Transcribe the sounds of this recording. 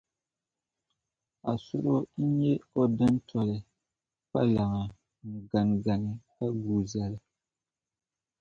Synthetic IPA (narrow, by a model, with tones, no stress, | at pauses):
a˨sʊ˦ɾo˦n̩˦ɲɛ˦o˦dɨ˦n˦tʰɔ˨lɨ˨ | pa˦la˨ŋa˨ | ŋ̩˨ɡa˨n˨ɡa˨nɨ˨ka˦ɡuː˨za˦lɨ˦